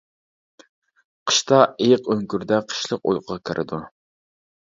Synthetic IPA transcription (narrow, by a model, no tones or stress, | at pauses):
qʰə̥ʃt̪ɑejɪqøŋkʲyɾd̪ɛqʰə̥ʃlˠəqo̰jqʰʊʁɑkʲʰeɾʔɪ̰d̪u